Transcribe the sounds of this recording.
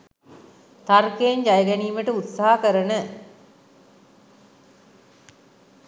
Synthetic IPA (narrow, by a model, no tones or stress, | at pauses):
t̪arkejeɲd͡ʒajəɡæniːməʈəut̪saɦakəɾənə